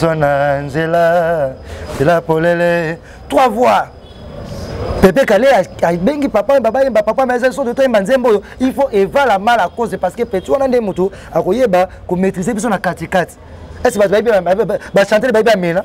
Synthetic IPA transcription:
sonanzela | zelapolele | twavwa | pepekaleaabeŋɡipapajembapbajembapapmɛsottoembanzembojoifoʔevalamalakozepaskepɛtiwanandemotuakojebakometizebis̬onakatikati̥ | ɛsibatuaebibaʃãtɛlebabiamela

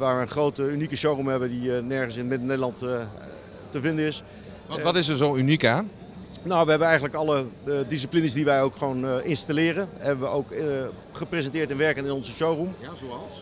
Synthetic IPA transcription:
ʋaːɹʋəənχrowtəynikəʃowrumɦɛbəndinɛɹχənsɪnətmɪdənejdəlɑnt | təvɪndəɪs | ʋtɪs̬əɹzowynikaːn | nowʋəɦɛbənɛjχənləkɑlədɪs̬iplinəsdiʋɛjowkχəʋownɪnstalɪːrənɦɛbəʋəowk | χəprezɛntɪːɹtɛnʋɛɹkənɪnɔnzəʃowrumzoɑs

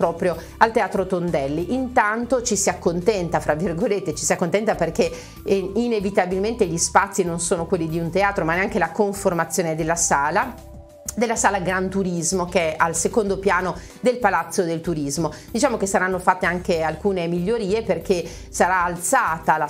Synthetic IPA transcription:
pɾɔːpɾjo | alt̪eaːt̪ɾot̪ond̪ɛlːiʔint̪ant̪ot͡ʃisiakːont̪ɛnt̪afɾavːirɡolet̪ːet͡ʃi̥siakːont̪ɛnt̪aperke | inevit̪abilment̪eʎispat̪sːinonsoːnokwelːid̪iunt̪eaːt̪ɾomaneaŋkelakoɱformat̪sːjoːned̪elːasaːla | d̪elːasaːlaɡɾant̪uɾizmokeɛʔalsekond̪opjaːno | d̪elpalat̪sːod̪elt̪uɾizmod̪̥it͡ʃaːmokesaɾanːofat̪ːeaŋkealkuːnemiʎːoɾiːeperke | saɾaːlt̪saːt̪ala

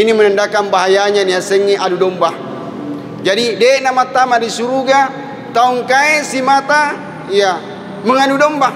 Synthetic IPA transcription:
inimənandakanbaɦajaɲaniasəŋːiʔanudɔmba | d͡ʒadidenamat̪amadisuɾuɡa | t̪auŋkaesimat̪a | ija | məŋanudɔmba

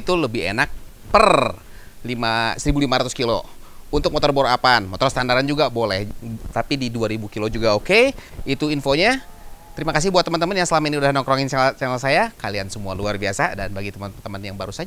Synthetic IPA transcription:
t̪uləbɪɦḛnak̚ | pər | limasəɾibulimaɾat̪ʊskilo̰unt̪ʊk̚mɔt̪ɔrboɾoapanmɔt̪ɔrst̪andaɾand͡ʒuɡabolɛht̪apididuaɾibukilod͡ʒuɡaokeit̪uinfoɲat̪əɾimakas̬ɪhbuat̪ːəmənt̪əmənjaŋsəlamainiudahnɔŋkɾɔŋɪnt͡ʃt͡ʃanəlsajakaliansəmualuarbiasadanbaɡit̪əmənt̪əmənjaŋbaɾusad͡ʒa

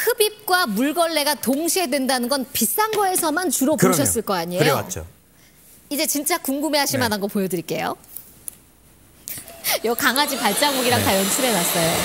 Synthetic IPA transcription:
hɯbip̚k͈wamuɭɡʌɭːe̞ɡatoŋɕʰiedwe̞ndanɯnɡʌnpis͈aŋɡʌe̞sʰʌmant͡ɕuɾʌpoɕʰʌs͈ɯɭk͈ʌaɲiejoo̰ | id͡ʑe̞t͡ɕint͡ɕ͈akuŋɡume̞ɦaɕʰimadanɡʌpojʌdɯɾik͈e̞jo̰ | jʌkaŋad͡ʑipaɭt͡ɕ͈aɡoɡiɾaŋtajʌnt͡ɕʰuɾe̞nas͈ʌjo

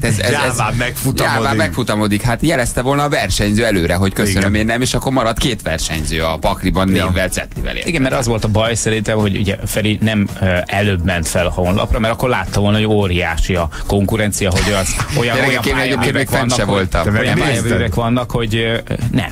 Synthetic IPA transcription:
t̪ɛzɛɛzaɛkfutj̪aːlaːmmːɛkfut̪ɒmo̞d̪ikhat̪jɛlɛst̪ɛvo̞lnɒːvɛrʃɛɲzøːɛløːɾɛɦo̞ckøsønømeːnːɛmeːʃɒkːo̞ɾmɒɾɒt̪keːt̪ʋɛrʃɛ̰ɲzøːɒpɒkribɒnːeːvɛlt̪sɛ̰t̪livɛ̰lḛːiɡɛnmɛɾɒzʋo̞lt̪ɒbɒjsɛɾint̪ɛmho̞ɟṵɟɛfɛɾinɛmøɛløːbmɛnt̪fɛlhonlɒ̰prɒmɛɾɒkːo̞rɾlaːt̪ːɒvo̞lnɒɦoɟoːɾija̰ːʃiɒko̞ŋkuɾɛnt̪sijɒɦodɒzojɒɛlːɛkɛkeːnelɛɟeːppkeːneːkɛnːt͡ʃːɛvo̞lt̪ɒmɛɛkʋɒnːɒkho̞ɟnɛ̰m

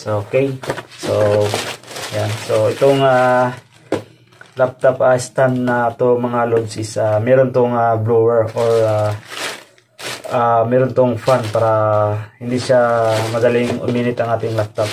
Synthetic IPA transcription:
ʔokejso | jansoɪt̪oŋa | lap̚t̪opɐɪst̪ant̪nɐt̪omɐŋalod̪sɪsamɛːɾont̪oŋablowɛɹʔoɹa | ʔamɛːɾont̪oŋfanpaːɾɐhɪnd̪iʃamɐd̪ɐlɪŋʊ̰miːnɪt̪ɐŋʔaːt̪ɪŋlap̚t̪op̚

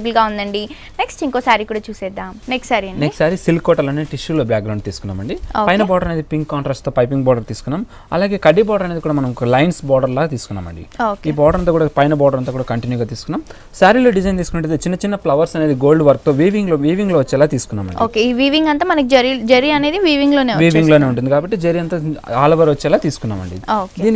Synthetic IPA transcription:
bɐlɡaːund̪ɐɳɖi | neksʈiŋkoːsaːɾikuːɽaːt͡ʃuːsɛːd̪aːmneksʈsaːɾiɐɳnɖneksʈsaːɾisilkɔːʈɐlɐːneːʈiʃuloːbjaːkɡɾɐwɳɖt̪iːsu̥kunːa̰ːmɐɳɖioːpɐjnɐbɔːɖɐɾɐne̞ːd̪ipiŋkːaːɳʈɾaːkst̪oːpɐjp̬iŋɡbɔːɖɐɾt̪iːsu̥kunːaːm | ɐ̰laːɡe̞ːkɐɖːibɔːɖɐɾɐne̞ːd̪ikuːɽaːmɐnɐmkklɐjnsbɔːɖɐɾlaːt̪iːsu̥kunːa̰ːmɐ̰ɳɖḭoːkiːbɔːɖɐɾɐnt̪aːkuːɽaːpɐjnɐbɔːɖɐɾɐnt̪aːkuɽaːkɐɳʈinjuːɡaːt̪iːsu̥kunːaːm | saːɾiloːɖid͡ʒɐjnt̪iːsukunɐɳʈed̪et͡ʃinːɐt͡ʃinːɐplɐʋɐɾsɐne̞ːd̪iɡoːlɖʋɐɾk̚t̪o̞ːʋiːʋiŋɡloːʋiːʋiŋɡloːʋɐt͡ʃːɛːlaːt̪iːsu̥kunːa̰ːmɐ̰ɳioːkeiːʋiːʋiŋɡɐnt̪aːmɐnɐkid͡ʒɐɾid͡ʒɐɾiɐne̞ːd̪iʋiːʋiŋɡloːneːʋɐʋiːʋiŋɡlo̞ːneːuɳʈ̬ːund̪ikaːbɐʈːid͡ʒɐɾiɐnt̪aːaːlɐʋɐɾʋɐt͡ʃːɛːlaːt̪iːsu̥kunːa̰ːmɐ̰ɳɖḭoːd̪iːni

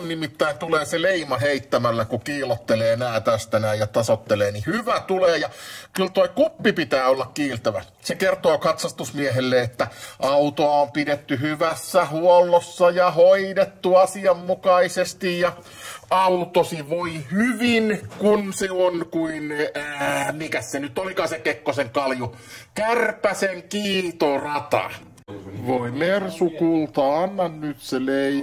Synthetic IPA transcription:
nnimit̪ːæint̪uleːseleimɑɦeit̪ːæmælːækukiːlot̪ːeleːnæːt̪æst̪ænæijjɑt̪ɑsot̪ːeleːnihyʋæt̪uleːjɑkylt̪oikupːipit̪æːolːɑkkiːlt̪æʋæ̰ | sekert̪oːkɑt̪sɑst̪usmieɦelːeet̪ːæʔɑut̪oɑompidet̪ːyhyʋæsːæhuolːosːɑjɑhoidet̪ːuɑsiɑmːukɑisest̪ijjɑ | ɑut̪osiʋoihyʋinkunseonkuinː | mikæssenyt̪ːˑolikɑːsekekːoseŋkɑlju | kærpæseŋkiːt̪orɑt̪ɑ̰ | ʋoimersukult̪ɑɑnːɑnnyt̪selei

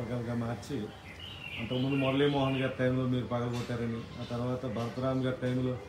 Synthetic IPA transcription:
lɡaːlɡamaːɾt͡ʃːi | ɐnt̪ɐkɐmund̪umɔɾɐliːmoːɦɐnɡaːɾʈɐjmlo̞ːmiːɾupɐɡɐlɡɔʈːaːɾɐniaːt̪ɐɾʋaːt̪ɐbʱɐɾɐt̪ɐɾaːmɡaːɾʈɐjmlo̞ː

